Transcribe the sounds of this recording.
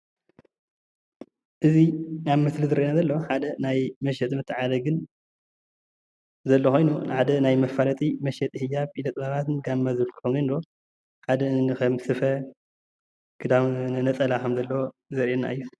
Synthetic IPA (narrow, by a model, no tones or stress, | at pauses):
ʔɨzinaβmɨslɨzɨɾɐʔenazɐlːɐoħad̪ɐnajmɐʃɛt̪ʼmɨt̪ʰːɨʕalɐɡɨn | zɐlːoxo̞jnuħad̪ɐnajmɐfalɐt̪ʼimɐʃɛt̪ʼhɨjapʼilɐt̪ʼβaβat̪nɡamːazɨβɨlkʰɨ̥xomɐnd̪o̞ | ħad̪ɐɨnɨkɐmsɨfɐ | ɡ̥ɨd̪amnɨnɐt͡sʼɐlakʰɐmzɐlːɐwo | zɐɾʔenːa̰ʔɨjːu